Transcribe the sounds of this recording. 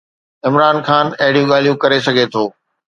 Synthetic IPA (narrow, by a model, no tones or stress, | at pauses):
ɪmɾaːnxaːnɐɦɪɽijũɠaːl̤ijũkɐɾesɐɡʱet̪ʰoː